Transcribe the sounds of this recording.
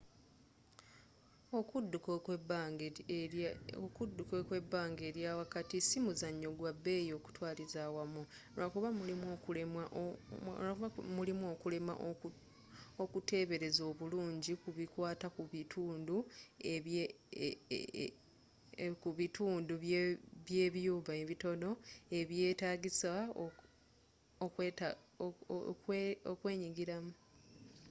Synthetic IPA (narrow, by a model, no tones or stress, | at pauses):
okudukː | kudːukekwe̞bːaːŋɡe̞ːɾjaːwakatisimuzaɲːo̞ɡwabːe̞ːjo̞ːku̥twaːlizaːwamuɾakuβamuimoulemaʔ | aβamulimo̞ːkule̞ma̰ʔ | okute̞ːβe̞ɾe̞zo̞ːβuluːɲɟikuβikwaːtakuβitʰuːndue | kuβitʰuːnduββje̞ːβjuːβaeβito̞no̞e̞βje̞ːtaːɡisa | okwet | kwokwe̞ːɲiɡiɾamu